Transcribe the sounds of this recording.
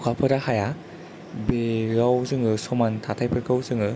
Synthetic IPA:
kʰapʰɯɾahaja | beɾawzɯŋɯsɔmantʰatʰajpʰɯɾkʰɯwzɯŋɯ

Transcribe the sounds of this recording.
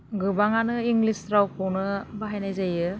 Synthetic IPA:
ɡɯbaŋanɯiŋɡlistɾawpʰɯwnɯbaɦajnajzajɯ

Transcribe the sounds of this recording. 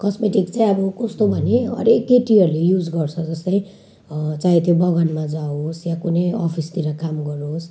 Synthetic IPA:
kʌsmeʈikt͡saĩʌbʌkʌst̪obʱʌneɦʌ̰ɾekːeʈiʌrlejud͡zɡʌrt͡sʰʌd͡zʌst̪aĩ | t͡saĩt̪ʰjobʌɡʌnmad͡zaosjakunejɔpʰist̪iɾʌkamɡʌɾos

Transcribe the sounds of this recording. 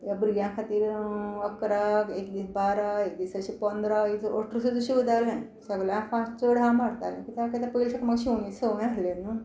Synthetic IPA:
jabɾiɡjãkʰat̪iːɾəkɾakekd̪iːsbaɾaek̚d̪isəɕipənd̪ɾaioɾʈɾsut̪uɕiʋəd̪alnaj | səɡljãfãst͡səɽʱãmaɽt̪a̰lḛ̃kit̪akət̪apəilsak̪maɡɕionisəm̃aɦlenə

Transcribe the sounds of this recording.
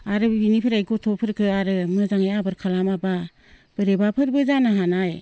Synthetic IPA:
aɾɯbinipʰɯɾajɡɔtʰɔpʰɯɾkʰɯaɾɯmɯzaŋajabɯɾkʰalamaba | b̥ɯɾebapʰɯɾbɯzanaɦanaj

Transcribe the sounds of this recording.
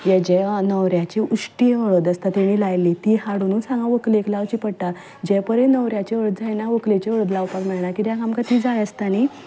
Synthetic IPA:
jɛd͡ʑɛnəwɾjat͡ɕiuʂʈiəɭəd̪əst̪at̪eɽ̃ilajlːit̪iːɦaɽunuːsãŋɡãʋəkleklaʋt͡ɕiːpəɽt̪a | d͡ʑɛpəɾẽnəʋɾjat͡ɕeəɭt̪d͡zajnaʋəklet͡ɕeəɭəd̪laʋpakmɛɭɳakit̪jãkamkat̪iːd͡zajəst̪añi

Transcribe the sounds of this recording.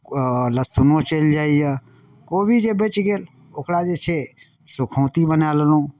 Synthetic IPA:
ləsʊnõt͡ʃeld͡ʒaːija | koːbid͡ʒebet͡ʃɡeːl | ʊkʰɽad͡ʒet͡ʃʰe | sʊkʰõːt̪ibənaːləlõː

